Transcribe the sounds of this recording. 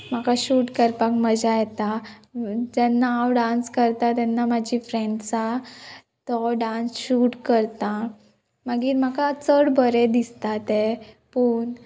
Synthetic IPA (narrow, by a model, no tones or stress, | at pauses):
m̤akaɕuːʈkəɾpakməd͡ʑajɛt̪a | d͡ʑɛnːaaːwɖãnskəɾt̪at̪ɛnːamad͡ʑifɾɛ̃ɳɖt͡sa | t̪ɔɖãnsɕuːʈkəɾt̪a | maɡiːɾmakat͡səɽbəɾɛd̪ist̪at̪e | puːn